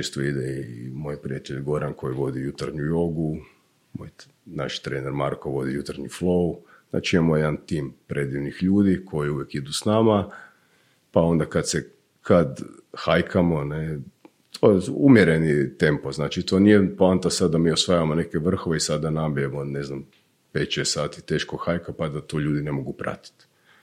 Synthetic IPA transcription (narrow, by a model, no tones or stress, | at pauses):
t͡ʃest̪oid̪eimo̞jpɾijat̪eʎɡo̞ɾankʰo̞jiʋo̞d̪ijut̪aɾɲujoɡu | mo̰j | na̰ʃt̪ɾeːneɾmaɾkoʋo̞d̪ijut̪aɾɲiflˠo̞u | zna̰ːt͡ʃiemojed̪ant̪iːmpɾʔe̞d̪iʋnixʎuːd̪ikʰo̞jiuʋjekid̪usnama | pao̞nd̪akad̪se | kʰad̪ | xajkʰamo̞ne | t̪ʰojeumjeɾe̞nit̪e̞mpoznaːt͡ʃit̪o̞nijeplant̪asad̪d̪amiosʋajaʋamo̞ne̞keʋr̩xoʋeisad̪̚ːanabiemoneznam | peːt̪t͡ʃest̪saːt̪i̥t̪e̞ːʃkoxajkapad̪at̪oːʎuːd̪ine̞mo̞ɡupɾa̰t̪i̥t̪